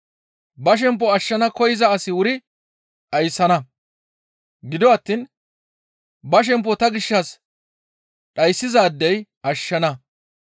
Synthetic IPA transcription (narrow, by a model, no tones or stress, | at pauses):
bɐʃ̬ɛmp̬ːɔɐʃːɐnɐkɔjɪzɐːsɪwʊɾɪ | ʔɐjsːɐnɐ | ɡɪd̪ɔɐt̪ːiːn | bɐʃ̬ɛmp̬ːɔt̪ɐɡɪʃːɐs | ɗɐjsːɪzaːd̪ːɛjʔɐʃːɐnɐ